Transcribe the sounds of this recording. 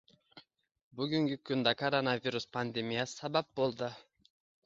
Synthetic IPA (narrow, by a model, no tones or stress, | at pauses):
byɡyŋɡykynd̪ɑkɐɾonavʲiɾuspand̪emʲijassɑbɑp̚bo̞lˠd̪ɯ